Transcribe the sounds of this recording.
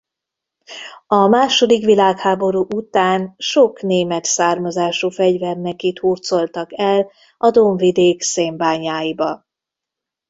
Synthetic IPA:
ɒmaːʃo̞d̪ikʋilaːkhaːbo̞ɾuːʔut̪aːnʃo̞kneːmɛt̪saːrmɒzaːʃufɛɟvɛrnɛkit̪huːrt̪so̞lt̪ɒkɛl | ɒd̪oɱvid̪eːkseːmbaːɲaːjibɒ

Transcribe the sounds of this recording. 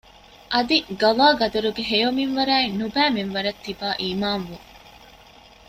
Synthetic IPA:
ʔɐd̪iɡɐlaːɡɐd̪ɐɾuɡeɦejominʋɐɾæːinubæːminʋɐɾɐt̪ːibaːʔiːmaːnʋuŋ

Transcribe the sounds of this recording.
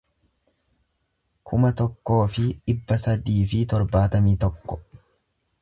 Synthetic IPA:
kʰʊmɐt̪ɔkːo̞ːfɪᶑɪbːɐsɐd̪iːfɪt̪ɔɾbaːt̪ɐmiːt̪ɔkːɔ̥

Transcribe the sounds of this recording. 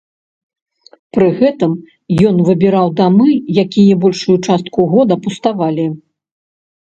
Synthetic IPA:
pɾɨɣɛt̪ɨm | jɔnvɨbʲiɾawd̪amɨjakʲijɐbɔlʲʂujut͡ʂast̪̚kuɣɔd̪ɐpust̪avalʲi

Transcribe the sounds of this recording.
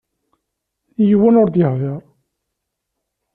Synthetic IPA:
jəwænʊɾd̪jəhðeɾˤ

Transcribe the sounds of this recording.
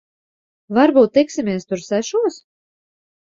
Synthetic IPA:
vaɾbuːt̪̚ːɛksimiɛst̪ʊɾsæʃuɔs

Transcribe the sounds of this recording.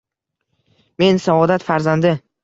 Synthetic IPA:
me̞nsaɒd̪at̪faɾzand̪ɪ

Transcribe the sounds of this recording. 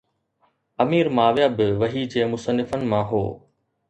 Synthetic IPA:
ɐmiːɾmaːʋjaːbɪʋɐɦid͡ʑeːmʊsənːɪfənɪ̆mãːɦoː

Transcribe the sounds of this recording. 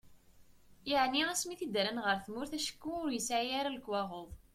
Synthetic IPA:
jəʕniæsmiθid̪ɾənʁəɾθmʊɾθæʃə̥kːuʊɾjəsʕiaɾaləkːwɑʁoðˤ

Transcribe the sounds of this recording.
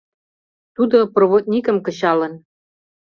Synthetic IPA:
t̪ud̪oproβot̪̚nʲikə̆mkə̆ɕɑlə̆n

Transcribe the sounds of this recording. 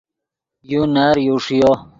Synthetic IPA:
junaːɾjuʂijo

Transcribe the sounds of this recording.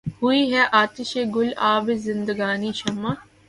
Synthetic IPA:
hʊiɦɛʔaːt̪ɪʃeːɡʊlaːbezɪ̃nd̪əɡaːniʃɐmːa

